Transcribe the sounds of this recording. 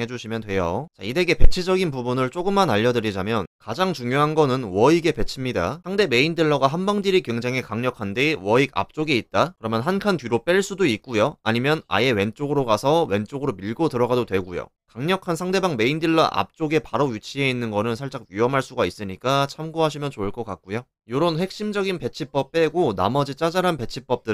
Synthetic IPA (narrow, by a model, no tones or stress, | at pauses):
ɦe̞d͡ʑuɕʰimjʌntwe̞jo̰t͡ɕaide̞ɡe̞pe̞t͡ɕʰid͡ʑʌɡinpubunɯɭt͡ɕ͈oɡɯmːanaʎːʌdɯɾid͡ʑamjʌnkad͡ʑaŋt͡ɕuŋjoɦanɡʌnɯnwʌiɡe̞pe̞t͡ɕʰimɲida̰sʰaŋde̞me̞indiɭːʌɡaɦanbaŋdiɾikɥweŋd͡ʑaŋɦe̞kaŋɲʌkʰandiwʌiɡa̰p̚t͡ɕ͈oɡeitt̚t͈akɯɾʌmjʌnɦankʰantɥiɾop͈e̞ɭs͈udoik̚k͈ujoa̰ɲimjʌna̰je̞we̞nt͡ɕ͈oɡɯɾoɡasʰʌwe̞nt͡ɕ͈oɡɯɾomiɭɡotɯɾʌɡadodwe̞ɡujo̰ | kaŋɲʌkʰansʰaŋde̞baŋme̞indiɭːʌʔa̰p̚t͡ɕ͈oɡe̞paɾojut͡ɕʰie̞inːɯnɡʌnɯnsʰaɭt͡ɕ͈ak̚ɥiʌmɦaɭs͈uɡais͈ɯɲik͈at͡ɕʰamɡoɦaɕ̬ʰimjʌnt͡ɕoɯɭk͈ʌk͈ak̚k͈ujo | joɾonɸek̚ɕ͈imd͡ʑʌɡinpe̞t͡ɕʰip͈ʌp̚p͈e̞ɡona̰mʌd͡ʑit͡ɕ͈ad͡ʑaɾanpe̞t͡ɕʰip͈ʌp̚t͈ɯ